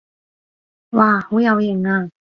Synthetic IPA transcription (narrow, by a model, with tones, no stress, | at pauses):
waː˧˩hu˧˦ja˧wje˨˩ŋa˧˩